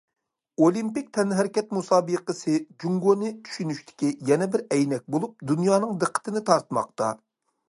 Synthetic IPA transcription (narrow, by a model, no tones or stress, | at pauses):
olˠimpik̚ʲt̪ʰɛnɦɪɾɪkʲɛt̪̚musɑːbɨqəsɨd͡ʒuŋɡonɨt̪ʰy̥ʃynyʃt̪ʰɪ̥kʲijɛnɛbɪɾɛjnɛk̚ʲbolˠup̚d̪unjɑːnɨŋd̪əqʰːə̥t̪ʰɨnɪt̪ʰɑɾt̪ʰɨmɑ̰q̚t̪ɑ̰